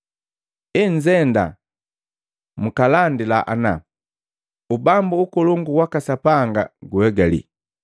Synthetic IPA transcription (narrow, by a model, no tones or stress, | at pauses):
iɲd͡ʒɛnda̰ | mukalandilaʔa̰na̰ | ubambuːkɔluŋɡuwakasapaŋɡa̰ɡuɛɡalḭ